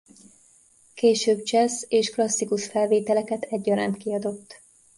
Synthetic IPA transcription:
keːʃøːb̚t͡ʃɛseːʃklɒsːikuʃfɛlveːt̪ɛlɛkɛt̪ʰɛɟːɒɾa̰ːnt̪kiɒd̪o̞t̪ː

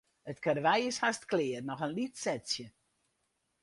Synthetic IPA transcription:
ətkarʋɛjɪshastklɪːərnɔxənlitsɛtsjə

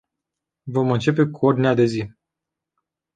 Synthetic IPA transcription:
vo̞mɨnt͡ʃe̞pe̞kuo̞rd̪inead̪e̞zi

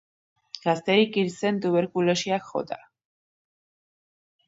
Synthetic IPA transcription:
ɡ̥ast̪ɛɾikiɾsɛnt̪uβɛɾkʼulɔʃiakχɔ̰d̪a

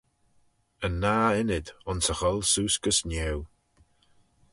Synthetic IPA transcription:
ənːaːɪnɪd̪ʊnsəxɔlˠsuːskəsnʲɛw

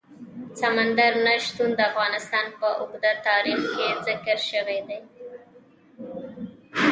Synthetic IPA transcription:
samand̪aɾnaʃt̪und̪əafɣɑnɪst̪ɑnpəʔʊɡd̪at̪ɑɾixkezɪkəɾʃəwed̪ej

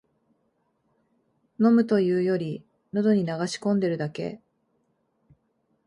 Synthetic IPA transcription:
no̞mɯ̟t̪o̞jɯ̟ːjo̞ɾʲi | nod̪o̞ɲ̟inaɡaɕi̥kõ̞nd̪e̞ɾɯ̟d̪ake̞̰

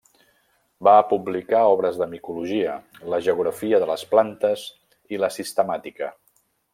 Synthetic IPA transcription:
baːpublikaɔβ̞ɾəzðəmikuluʒiələʒəuɣɾəfiəðələsplant̪əz | iləsist̪əmat̪ikə̰

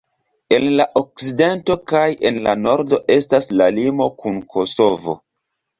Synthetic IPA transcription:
e̞nlaʔo̞k̚side̞nto̞kaje̞nla̰no̞ɾdo̞ʔe̞staslalimo̞kunkʰo̞so̞vo̞̰

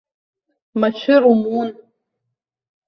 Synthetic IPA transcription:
mat͡ʃʷʰɪɾumun

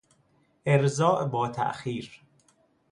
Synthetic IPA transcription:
ʔeɾzɒːʔbɒːt̪ʰæ̰ʔxiːɾ

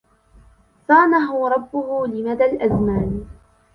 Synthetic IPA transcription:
sɑːmaɦʊɾˤɑbːʊhʊlɪmad̪alʔazmaːn

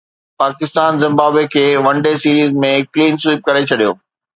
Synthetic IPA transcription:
paːkɪst̪aːnzɪ̃mbaːbekʰeːʋɐ̃ɳɖesiːɾiːzmẽkliːnsuːp̚kɐɾet͡ɕʰɐɗijo̰ː

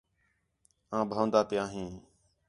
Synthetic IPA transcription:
ãːbʱãːnd̪aːpɪjãːɦĩː

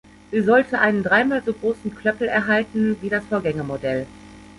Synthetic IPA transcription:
ʔiːzɔltʰəʔaɪnəndʁaɪmaːlzoːɡʁoːsn̩kl̥œpl̩ɛɐɦaltn̩viːɾasfoːɐɡɛŋəmodɛl

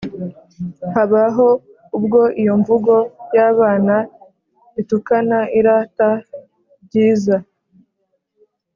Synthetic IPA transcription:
haβaɦo̞ | ubɡo̞ʔijo̞ɱvuɡo̞jaːβaːna | itukanaʔiɾaːta | bɟiːza

